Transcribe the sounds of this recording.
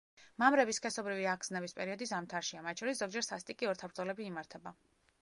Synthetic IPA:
mamɾɛbiskʰɛsɔbɾiviaɡznɛbispʼɛɾiɔd̪isamt̪ʰaɾʃiamat̪ʰt͡ʃʃʰɔɾisz̥ɔɡd͡ʒɛɾsast̪ʼikʼiɔɾt̪ʰabɾd̪zɔlɛbiːmaɾt̪ʰɛba

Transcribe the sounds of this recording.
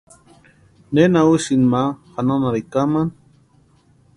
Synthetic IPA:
nenausinmahananaɾikaman

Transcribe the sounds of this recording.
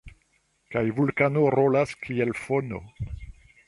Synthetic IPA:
kajvulkanoɾolaskʰielfono̰

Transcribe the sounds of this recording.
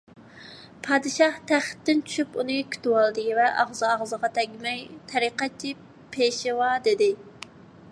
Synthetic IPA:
pʰɑd̪ɨʃɑht̪ʰæχt̪ːɪnt͡ʃʰy̥ʃypunɨkʲʰy̥t̪wɑlˠd̪ɨvɛʔɑʁzɨɑʁzəʁɑt̪ʰɛɡʲmɛjt̪ʰɛɾiqɑt͡ʃʰːi | pʰeʃɪwɑd̪ɪd̪ɪ

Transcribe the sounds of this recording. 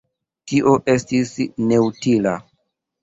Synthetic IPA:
tiʔo̞ʔestisneutila

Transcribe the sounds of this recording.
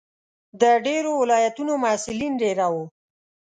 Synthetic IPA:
d̪əɖeɾowɪlɑjat̪unomasɪlinɖeɾawo

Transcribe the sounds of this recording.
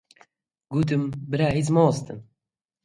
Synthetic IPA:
ɡuːt̪̬ɨmbɨɾaːizmoːst̪ɨm

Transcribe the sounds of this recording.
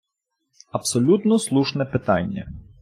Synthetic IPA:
ɐpsɔlʲut̪nɔslˠuʃnɛpɪt̪ɑ̰nʲːɐ̰

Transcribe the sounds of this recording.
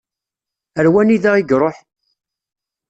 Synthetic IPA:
əɾwæniðæʁiɡɾˤoħ

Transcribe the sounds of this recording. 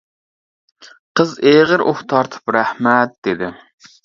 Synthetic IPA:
qʰəzeʁəɾʔo̰ht̪ʰɑɾt̪ʰɨ̥pɾæhmɛt̪̚d̪̥ɪd̪ɪ

